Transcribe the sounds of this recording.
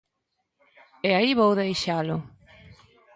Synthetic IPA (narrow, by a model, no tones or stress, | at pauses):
ɛaiβowðejʃalʊ